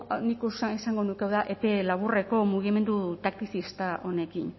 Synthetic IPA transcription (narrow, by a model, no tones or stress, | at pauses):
nikosaesaŋɡo̞nukewðaʔe̞pe̞laβ̞ure̞ko̞muɣ̞ime̞nd̪ut̪ak̚t̪iθist̪aʔo̞ne̞kin